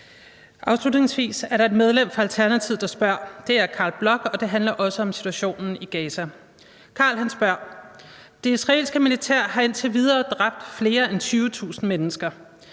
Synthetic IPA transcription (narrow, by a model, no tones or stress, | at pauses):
ʔɑ̈ʊslud̥ne̝ŋsʋḭːsæɐɾɑ̈e̝d̥með̞ˠlem̰fɒælt͡sʰæɐnæt͡sʰið̰̥ˠɑ̈sb̥ɶɐ̰d̥e̝æɐkʰɑ̈ːlb̥lɒ̽ɡ̥ɒ̽d̥e̝ɦænlɐʔɒ̽səɒ̽msi̥t͡sʰuæɕo̝̰ːnn̩iɡ̥ɛːsæ | kʰɑ̈ːlɦænsb̥ɶɐ̰ | d̥e̝isʁɑ̈e̝̰lsɡ̥əmilit͡sʰæɐ̰ɦɑ̈e̝nt͡sʰe̝ʋið̞ˠɐːd̥ʁɑ̈b̥̚d̥fle̝ːɐent͡sʰyːʊət͡sʰṵːsn̩menəsɡ̥ɐ